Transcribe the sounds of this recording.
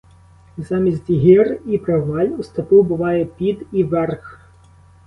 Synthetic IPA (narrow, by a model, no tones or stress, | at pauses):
zɑmʲizʲtʲiɦɪripɾɔʋɑlʲust̪ɔp̪ubʊʋɑjɛpʲid̪iʋɛrx